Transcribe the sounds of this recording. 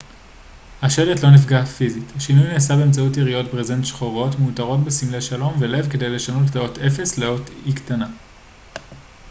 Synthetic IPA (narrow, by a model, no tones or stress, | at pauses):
haʃe̞letlo̞nifɡafizithaʃinujneːsabe̞ːmt͡sautiʁijo̞tbʁezent̪ʃχoʁo̞tmeutaʁo̞tbe̞simle̞ʃalo̞mvele̞vke̞de̞jle̞ʃanotto̞te̞fe̞sleo̞tiktana